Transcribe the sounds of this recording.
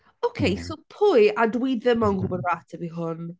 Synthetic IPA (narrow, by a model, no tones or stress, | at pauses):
okʰejsopʰʊɨadwiðɪmanɡʊbɔdratʰəbiɦʊn